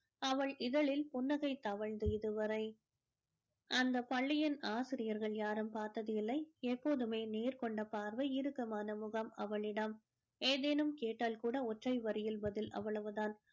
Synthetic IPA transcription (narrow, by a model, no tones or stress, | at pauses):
ɐʋɐɭʔɪðɐɭɪlpʊnːɐɣɐɪt̪ːɐʋɐɭd̪ɛjðɯʋɐɾɐɪ | ʔɐnd̪ɐpɐɭːɪjɐnaːsɪɾɪjɐɾɣɐɭjaːɾɯmpaːɾt̪ɐðɪɪlːɐɪɛpːoːðɯmeːneːɾkɔɳɖɐpaːɾʋɐɪɾɯkːɐmaːnɐmʊɣɐmɐʋɐɭɪɽɐm | eːðeːnɯmkeːʈːaːlkuːɽɐɔʈrɐɪʋɐɾɪjɪlbɐðɪlʔɐ̰ʋɐɭɐʋɯðaːn